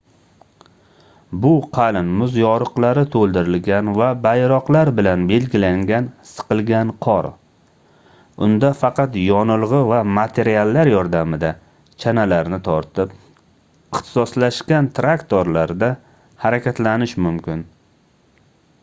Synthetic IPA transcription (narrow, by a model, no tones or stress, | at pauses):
bʊqʰɑlɪnmʊzjɒɾɨqlˠaɾɪt̪ʰolˠd̪ɪɾɪlɡʲanvabajɾɒqlˠaɾbɪlanbe̞lɡʲɪlaŋɡʲansɨ̥qɨlˠɡʲanqʰɒɾ | ʊ̰nd̪afɑqʰɑt̪jɒnɨlˠʁɨvamat̪ʰe̞ɾialːaɾjɒɾd̪amɪd̪a | t͡ʃʰanalaɾnɪt̪ʰɒɾt̪ʰɪp | ɪχt̪ʰɪ̥sɒslaʃkʲant̪ʰɾakt̪oɾlaɾd̪a | haɾakʲʰat̪lanɪʃmʊmkʲɪn